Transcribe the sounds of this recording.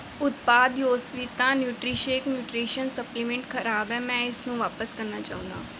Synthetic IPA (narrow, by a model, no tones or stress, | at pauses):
ʊt̪paːd̪joːsʋiːt̪ãːnjuːʈɾiːʃeːknjuːʈɾiːʃənsəplimɛ̃ɳʈkʰəɾaːbɛ̃ːmɛ̃ːɪsnũːʋaːpəskəɾnaːt͡ʃa̰ːũːnd̪a̰ː